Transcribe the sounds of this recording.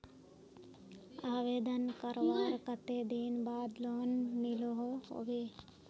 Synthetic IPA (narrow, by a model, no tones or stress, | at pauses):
aːʋeːd̪ɐnkɐɾʋaːɾkɐt̪ed̪iːnbaːd̪loːnːiloɦoho̰ʋe